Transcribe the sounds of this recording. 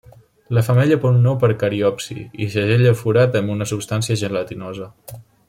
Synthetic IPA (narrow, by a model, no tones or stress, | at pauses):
ləfəmɛʎəpɔnopəɾkəɾiɔpsḭḭsəʒeʎəfuɾat̪əmbunəsupst̪ansiəʒənlət̪inozə